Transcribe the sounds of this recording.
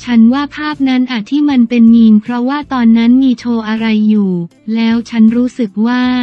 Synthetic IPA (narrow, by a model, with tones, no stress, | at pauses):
t͡ɕʰa˦˥nwaː˥˩pʰaː˥˩p̚na˦˥nʔaː˨˩t̪ʰːiː˥˩ma˧npe˧nmiː˧ŋpʰɾɔ˦˥waː˥˩t̪ɔː˧nːa˦˥nmiː˧t͡ɕʰoː˧ʔa˧ɾa˧jːuː˨˩lɛː˦˥wt͡ɕʰa˦˥nɾuː˦˥sɯ˨˩k̚waː˥˩